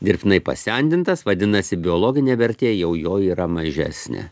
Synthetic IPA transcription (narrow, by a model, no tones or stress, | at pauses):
d̪ʲɪɾʲpʲt̪ʲɪnɐɪpɐ̰sʲɛnʲd̪ʲɪnt̪ɐsʋɐd̪ʲɪnɐsʲɪbʲɪɔlˠoːɡʲɪnʲeːʋʲɛɾʲt̪ʲeːjɛʊjoːiːɾɐmɐʒʲæ̰ːsʲnʲḛː